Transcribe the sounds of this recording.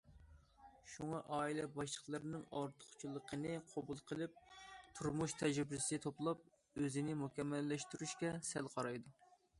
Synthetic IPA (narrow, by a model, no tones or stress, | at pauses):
ʃuŋɑʔɑːilɛbɑʃlˠəχlˠəɾnɨŋɑ̰ɾt̪ʰə̥χt͡ʃʰulˠːəqʰənɨqʰobulˠqʰəlˠɪp̚t̪ʰuɾmuʃt̪ʰɛʒɾbɪsɪt̪ʰoplˠɑp̚ | øzɪnɪmukʲɛmːɛlːɛʃt̪yɾyʃkʲɛsɛlqʰɑɾɑjd̪u